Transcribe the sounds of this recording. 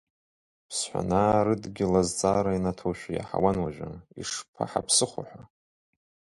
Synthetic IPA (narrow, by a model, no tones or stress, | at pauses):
pʰsħʷa̰naːɾɨdɡʲɪlazt͡sʼaːɾainatʰoʃᶣʷaja̰ħa̰wanwaʒʷᶣaḭʂpʰa̰ħapʰsɨχʷa̰ħʷa